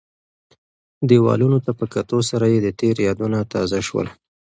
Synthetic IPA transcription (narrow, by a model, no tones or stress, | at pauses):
d̪ewɑ̰lunot̪apəkat̪osaɾajed̪ət̪eɾjɑd̪unat̪ɑzaʃwə̰l